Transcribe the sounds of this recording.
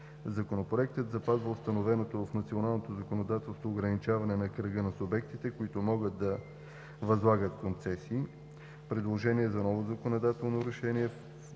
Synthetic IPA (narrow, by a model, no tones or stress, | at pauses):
zɐkonopɾoɛk̚t̪ət̪zɐpazvəʊst̪ɐnovɛnot̪ofnɐt̪sionalˠnot̪ozɐkonod̪at̪ɛlˠst̪voːɡɾɐnit͡ʃavɐnɛnɐkɾəɡənɐsʊbɛk̚t̪it̪ɛkoit̪omɔɡəd̪d̪ɐ | vɐzlˠaɡət̪kont̪sɛsi | pɾɛd̪lˠoʒɛniɛzɐnɔvozɐkonod̪at̪ɛlˠnoɾɛʃɛniɛ